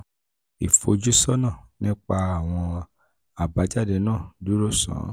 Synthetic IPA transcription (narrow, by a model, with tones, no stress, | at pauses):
i˨fo˧d͡ʒu˦sɔ˦nã˦˨nĩ˦k͡pa˧a˨w̃ɔ̃˧ | a˨ba˨˧˦d͡ʒa˦˨dɛ˧nãː˦˨du˨˦ɾo˦˨sã̰˨˦